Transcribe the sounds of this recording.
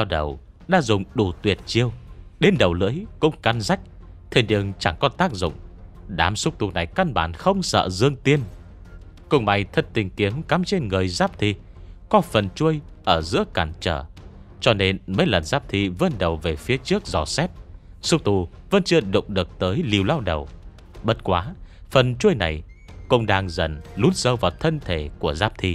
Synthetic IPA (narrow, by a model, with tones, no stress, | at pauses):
a˧ɗə˨˩w | ɗa̰ː˧˥zʊ˨˩ŋ͡mɗu˧˩t̪wi˨˩ət̚t͡ɕi˧əwɗe˨˦nɗə˨˩wlɨ̰˧˥əjkʊ̰˧˥ŋ͡mka˨˦nza˦˥jk̟̚ | t̪ʰe˧˩ɗɨ˧əŋt͡ɕa˧˩ŋkɔ˧nt̪aː˦˥k̚zʊ̰˧˨ŋ͡mɗa̰ː˨˦msʊ˦˥k͡p̚t̪u˨˩na˨˩jka˧nɓaː˧˩nxə˧wŋ͡msə̰ː˧˨zɨ˧əŋt̪i˧ən | kʊ˧ŋ͡mma˧˩jt̪ʰə˧n̚t̪ï˨˩ŋ̟ki˨˦əmka˨˦mt͡ɕe˧nŋɨ˨˩əjzaː˦˥p̚t̪ʰḭ˧˨ | kɔ˨˦fə˨˩nt͡ɕu˧əj | ʔəː˧˩zɨ̰˧˥əkaː˧˩nt͡ɕə̰ː˧˩t͡ɕɔ˧ne˧nməː˨˦jlə˨˩nzaː˦˥p̚t̪ʰḭ˧˨və˧nɗə˨˩wve˨˩fi˨˦ət͡ɕɨ˦˥ək̚zɔ˧˩sɛ˦˥p̚ | sʊ˦˥w̚t̪u˨˩və˧nt͡ɕɨ˧əɗʊ̰˧˨ŋ͡mɗɨ˨˩ək̚t̪əː˨˦jli˨˩əwlaː˧wɗə˨˩w | ɓə˦˥t̚kwaː˨˦fə˨˩nt͡ɕu˧əjna̰˨˩j | kʊ̰˧wŋ͡mɗaː˧ŋzə˨˩nlu˨˦ənsə˧˩wvaː˨˩wt̪ʰə˧nt̪ʰe˧˩ku˧˩əzaː˦˥p̚t̪ʰḭ˧˨